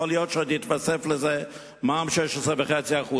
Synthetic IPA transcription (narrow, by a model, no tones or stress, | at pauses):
olijotʃat̪itvasefləze | mamʃɛʃəzevəχet͡siaχu